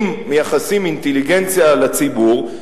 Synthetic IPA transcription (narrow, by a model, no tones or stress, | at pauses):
mːejaχasimint̪eliɡent͡sjalat͡sibuʁ